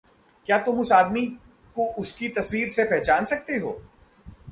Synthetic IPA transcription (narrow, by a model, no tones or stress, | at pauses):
kjaːt̪ʊmʊsaːd̪mi | koʔʊskit̪ɐswiːɾsepɛɦt͡ʃaːnsɐk̚t̪eɦo̰ː